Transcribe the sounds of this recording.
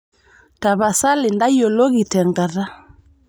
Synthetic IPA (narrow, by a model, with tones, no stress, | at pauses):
ta˨βa˨sa˦lɪ˨nda˦jɔ˨lɔ˦ɣi˨tɛ˨ŋɡa˨ɾa˦